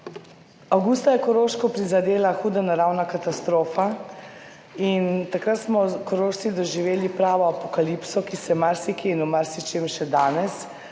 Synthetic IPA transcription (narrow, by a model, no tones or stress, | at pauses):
awɡust̪ajɛkɔɾoːʃkɔpɾizad̪eːlaxuːd̪anaɾawnakat̪ast̪ɾoːfa | int̪akɾat̪smɔkɔɾoːʃt̪id̪ɔʒiʋeːlipɾaːʋɔapɔkalipsɔkisɛmaɾsikiinumaɾsit͡ʃemʃɛd̪aːnɛs